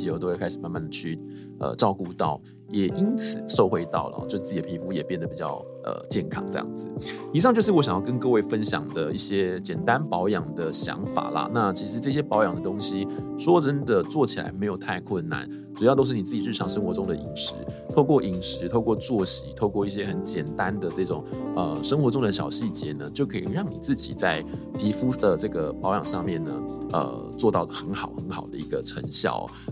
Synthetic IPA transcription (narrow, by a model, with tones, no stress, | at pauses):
jo˧˩t̪o˥we˥˧kʰa˥ɪʂ̩˨˩˦ma˥˧nma˥˩nd̪ə˩t͡ɕʰy˥˩ | ə̰˨˩ʈ͡ʂɑ˥˧ʊku˥˧t̪ɑ˥˩ʊ | jɛ˨˩ʔi˥nt͡s̩ʰ˨˩˦ʂo˥˧ʊxwe˥˧ɪt̪ɑ˥˩ʊlə̰˨˩˨t͡ɕo˥˧ʂt͡sɹ̩˥˩t͡ɕi˨˩˨pʰi˧˥pu˥jɛ˨˩pjɛ˥˩nd̪ə˩pi˨˩t͡ɕjɑ̰˥˧ʊ | ʔə̰˩t͡ɕjɛ˥˩nkʰɑ̰˥ŋʈ͡ʂɤ˥˧jɑ̰˥˩ŋd͡zɹɨ˩i˨˩ʂ̬ɑ˥˧ŋt͡ɕjo˥˧ʂ̬ɻ̩˥˩wɔ˧˥ɕjɑ˨˩ŋjɑ˥˩k̬ə˦nkɤ˥˧we˥˩ɪfə˦˥nɕjɑ̰˨˩ŋd̪ə˩i˥˩ɕjɛ˥t͡ɕjɛ˨˩nt̪a˦npɑ˧˥ʊjɑ˨˩ŋd̪ə˩ɕjɑ̰˧˥ŋfa̰˨˩lɐ̰˦na˥˧t͡ɕʰi˧˥ʂɻ̩˧˥ʈ͡ʂɤ˥˩ɕjɛ˥pɑ˧˥ʊjɑ˨˩ŋd̪ə˩t̪ʊ˥ŋɕi˥ʂwɔ˥˨ʈ͡ʂə˥nd̪ə˨t͡swɔ˥˩t͡ɕʰi˨la̰˧˥ɪme˧˥ɪjo˨˩ʊt̪ʰa˥˧ɪkʰwə˥˩nːa̰˩˦n | t͡su˨˩jɑ˥˧ʊt̪̬o˥ʊʂ̩ɻni˨˩t͡s̩˥˩t͡ɕi˨˩ɻ̩˥˩ʈ͡ʂʰɑ˧˥ŋʂə˥ŋxwɔ˧˥ʈ͡ʂʊ˥ŋd̪ə˨i˧˥ŋʂɻ̩˧˥t̪ʰo˥˧ʊkwɔ˥˩ʔi˧˥ŋʂɻ̩˧˥t̪ʰo˥˧ʊkwɔ˥˧t͡swɔ˥˩ɕi˧˥t̪ʰo˥˧ʊkwɔ˥˧i˥˩ɕ̬jɛ˥xə˧˥nt͡ɕjɛ˨˩nt̪a˦nd̪ə˨ʈ͡ʂɤ˥˩ʈ͡ʂʊ˨˩ŋə˧ʂə˥ŋxwɔ˧˥ʈ͡ʂʊ˥ŋd̪ə˨˩ɕjɑ̰˨˩ʊɕi˥˩t͡ɕjɛ˧˥˦nə˧t͡ɕjo˥˩kʰḭ˨˩ɻɑ˥˩ŋnḭ˨˩t͡sɹ̩˥˩t͡ɕḭ˨˩t͡sa˥˩ɪp̪ʰi˧˥fu˥d̪ə˨ʈ͡ʂɤ˥˩ɡə˩pɑ˧˥ʊjɑ˨˩ŋʂɑ˥˧ŋmjɛ˥˩nnə̰˩ə̰˧˩ | t͡swɔ˥˧t̪ɑ˥˩ʊxə˧˥nxɑ˨˩ʊxə˧˦nxɑ˨˩ʊd̪ə̰˦i˧˥ɡə˧ʈ͡ʂʰə̰˧˥ŋɕjɑ̰˥˩ʊ̰˩